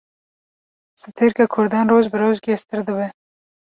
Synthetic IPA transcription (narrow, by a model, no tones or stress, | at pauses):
sɨt̪ʰeɾkakʰʊɾd̪ɑːnroːʒbɨɾoːʒɡʲɛʃt̪ɨɾd̪ɨbɛ